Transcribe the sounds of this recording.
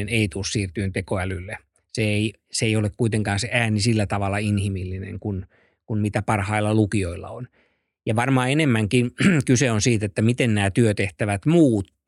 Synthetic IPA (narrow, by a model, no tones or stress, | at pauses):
eneit̪uːssiːrt̪yːnt̪ekoælylːe | seei | seeijolekkuit̪eŋkɑːnseʔæːnisilːæt̪ɑʋɑlːˑɑinhimilːinḛŋkun | kunmit̪æpɑrhɑilːɑlukioilːɑ̰on | jɑʋɑrmɑːenemːæŋkinkyseonsiːt̪et̪ːæmit̪ennæːt̪yøt̪eht̪æʋæt̪muːt̪